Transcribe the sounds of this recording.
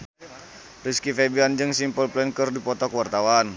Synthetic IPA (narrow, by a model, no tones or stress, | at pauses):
riskifebiand͡ʒɨŋsimpəlplɛnkərdipɔt̪ɔkəwart̪awan